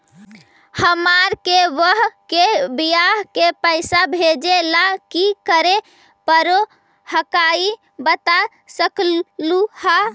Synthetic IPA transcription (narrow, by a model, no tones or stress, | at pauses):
həmaɾkeʋəɦkebijaɦkepəɪsabʱed͡ʒelakikəɾe | pəɾo | həkai | bət̪a | səklluha